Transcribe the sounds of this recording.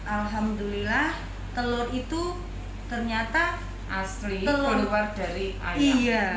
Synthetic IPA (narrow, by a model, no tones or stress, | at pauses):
ʔalɦamd̪ulilah | t̪əlʊrit̪u | t̪ərɲat̪a | ʔasliəlʊluward̥aɾiʔa̰jija